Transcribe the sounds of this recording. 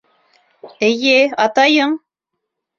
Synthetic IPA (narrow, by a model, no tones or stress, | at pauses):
ɘjɘɑt̪ɑjɤɴ